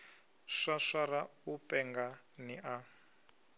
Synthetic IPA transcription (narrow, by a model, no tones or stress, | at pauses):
ʂaʂaɾa | upɛŋɡa | niʔa